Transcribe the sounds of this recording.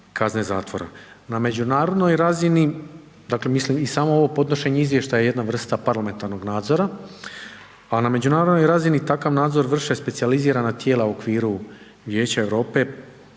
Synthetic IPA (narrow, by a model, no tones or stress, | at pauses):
kʰazne̞za̰ːt̪ʋo̞ɾa̰ | name̞d͡ʑunaːɾo̞d̪no̞jɾazini | d̪aːkle̞mislimisaːmo̞o̞ʋo̞po̞d̪no̞ʃe̞ɲeizʋjeʃt̪ajeje̞d̪navr̩st̪apaɾlame̞nt̪aɾno̞ɡnaːd̪zo̞ɾa | aname̞d͡ʑunaːɾod̪no̞jɾazinit̪akaʋnaːd̪zo̞ɾʋr̩ʃe̞spe̞sializiːɾanat̪je̞ːlˠauokʋiːɾu | ʋje̞ːt͡ɕae̞ʋɾo̞ːpe̞